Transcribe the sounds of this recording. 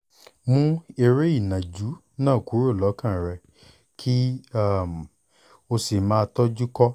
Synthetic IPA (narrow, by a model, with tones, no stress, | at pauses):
mũ˦e˧ɾe˦i˦˨nã˨d͡ʒu˨˦ | nãː˦˨ku˨˦ɾo˦˨lɔ˨˦kã˦˨ɾɛ˧ | kʰi˦a˦˨m˨ | o˧si˨mãː˦˧tɔ˦d͡ʒu˦kɔ˦